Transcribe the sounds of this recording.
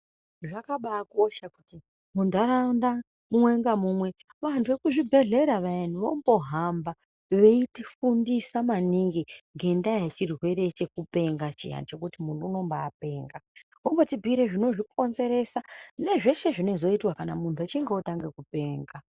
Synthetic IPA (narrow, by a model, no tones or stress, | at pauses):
ʐakaɓako̞ʃakuti | mundaɾanda | mumwe̞ŋɡamumwe̞ | ʋantʰuʋe̞kuʐibʱe̞ɮe̞ɾaʋanuʋombo̞ɦamba | ʋe̞itifundisamaniŋɡiŋɡe̞ndajet͡ʃirɦwe̞ɾe̞t͡ʃe̞kupe̞ŋɡat͡ʃḭja̰nt͡ʃe̞kutimunuuno̞mbaːp̚e̞ːŋɡa | omɡotibʱiɾeʐino̞ʐikʰo̞nze̞ɾe̞sane̞ʐe̞ʃe̞ʐine̞zo̞itwakanamuntʰuat͡ʃiŋɡeotaŋɡe̞kupe̞ːŋɡa